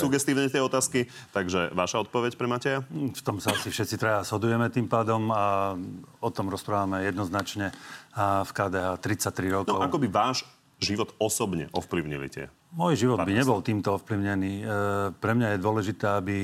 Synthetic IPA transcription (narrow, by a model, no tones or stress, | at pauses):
suɡɛst̪iːʊɲɛt̪ɪɛɔt̪aːski | t̪aɡʒɛ̰ʋaʃaɔt̪̚pɔʋɛcpɾɛmacɛjaft̪ɔmsaasifʃɛt̪t͡sit̪ɾajaz̥ɦɔd̪ujɛmɛt̪iːmpaːd̪ɔma | ɔt̪ɔmɾɔspɾaːʋamɛjɛd̪nɔznat͡ʃɲɛ | fkaːd̪ɛɦaːt̪ɾit͡sact̪ɾiɾɔknɔʊakɔbiʋaːʒ | ʒiʋɔt̪ɔsɔbɲɛ̰ʔɔfpliʊɲḭlḭt̪ɪɛ̰ | mɔjʒiʋɔd̪biɲɛbɔlt̪iːmt̪ɔɔfpliʊɲɛniːpɾɛmɲajɛd̪ʊɔlɛʒit̪ɛːabi